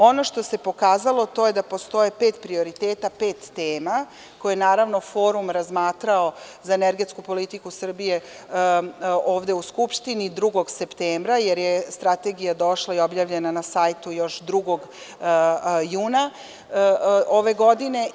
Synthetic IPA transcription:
o̞no̞ʃt̪o̞se̞po̞kaːzalo̞t̪o̞je̞d̪apo̞st̪o̞jepeːt̪pɾio̞ɾit̪eːt̪apeːt̪ːeːma | kojenaːɾaʋno̞fo̞ːɾumɾazmaːt̪ɾao̞zaeneɾɡe̞t̪skupo̞lit̪ikusr̩bije̞ | o̞ːʋd̪e̞uskupʃt̪inid̪ɾuɡo̞ɡse̞pt̪eːmbɾajeɾjest̪ɾat̪e̞ɡijad̪o̞ʃlˠaio̞bjaːʋʎenanasaːjt̪ujo̞ʃd̪ɾuɡo̞ɡ | juːna | ʔoʋe̞ɡo̞d̪ine̞

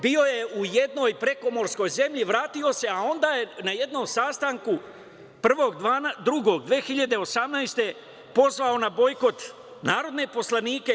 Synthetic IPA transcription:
bio̞je̞ujed̪no̞jpɾe̞ko̞mo̞ɾsko̞jze̞mʎiʋɾaːt̪io̞se̞ao̞nd̪aːjenaje̞d̪no̞msaːst̪aŋku | pr̩ʋo̞ːɡ̪ad̪ɾuɡo̞ɡd̪ʋeːxiʎad̪e̞o̞samnajst̪e̞ | po̞zʋao̞nabo̞jko̞t̪ | naːɾo̞d̪ne̞po̞slaniːke̞

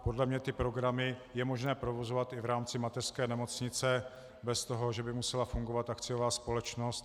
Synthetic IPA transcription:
po̞dlɛmɲɛt̪ɪpɾo̞ɡɾamɪjɛmo̞ʒnɛːpɾovo̞zovat̪ɪvɾaːmt͡sɪmat̪ɛr̥skɛːnɛmo̞t͡sɲɪt͡sɛ | bɛst̪oɦo̞ʒɛbɪmusɛlafuŋɡovat̪ʔakt͡sɪjovaːspo̞lɛt͡ʃno̞st̪

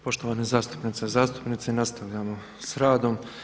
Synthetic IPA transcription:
po̞ʃt̪oʋaːnezaːst̪u̥pnit̪sezaːst̪u̥pnit̪senast̪aʋʎamo | sɾaːd̪o̞m

